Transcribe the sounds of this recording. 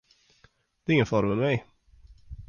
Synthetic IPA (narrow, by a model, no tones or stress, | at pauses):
d̪̥ɛɪŋːənfɔɾmənmɛj